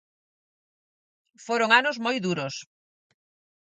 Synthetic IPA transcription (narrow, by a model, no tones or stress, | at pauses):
foɾoŋanʊzmojðuɾos